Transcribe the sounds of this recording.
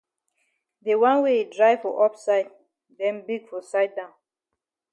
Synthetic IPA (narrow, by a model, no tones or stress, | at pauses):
ðewãnwedɹaɪfɔʔɔpsaɪd̚ | dɛ̃nbiɡfɔsaɪd̚dãʊ̃n